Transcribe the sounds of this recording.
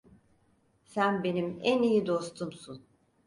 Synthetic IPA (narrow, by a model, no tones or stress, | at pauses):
sænbe̞nimænijid̪ost̪ʰumsun